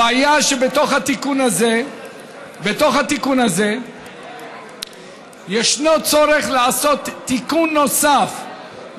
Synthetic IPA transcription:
aajaʃebet̪oχhat̪ikunaze | bet̪o̞χhat̪ikunaze̞ | jeʃnot͡so̞ɾeχlaaso̞t̪ːikunːo̞saf

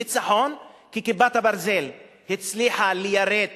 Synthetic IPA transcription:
it͡saħonkikibat̪habaɾzel | hit͡sliħalejaɾed̪

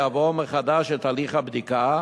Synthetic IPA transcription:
avomeχad̪aʃet̪aliχhabd̪ika

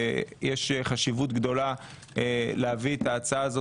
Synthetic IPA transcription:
jeʃeχaʃivut̪ɡd̪o̞la | leaviet̪aːt͡saaːzo

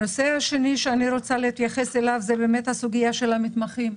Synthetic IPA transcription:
nosehaʃeniʃeaniɾo̞t͡saleit̪jaχeselavzebe̞ːmet̪hasuɡijaʃelamit̪maχim

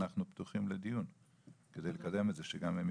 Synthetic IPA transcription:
aχnupt̪uχimled̪ijun | ked̪ejlekad̪e̞metzeʃeɡamem

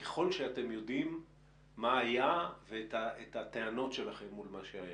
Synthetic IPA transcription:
ke̥χo̞lʃeate̞mjo̞dimː | aajavetaetat̪eano̞tʃelaχe̞mːulmaʃeaja

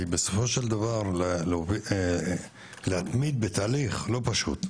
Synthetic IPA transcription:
ibeso̞fo̞ʃeld̪avaʁllovi | lehat̪mid̪̚bet̪aːliχlo̞paʃṵt̪

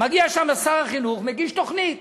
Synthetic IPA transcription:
maɡiaʃamlasaʁaχinuχmeɡiʃt̪o̞χnit̪

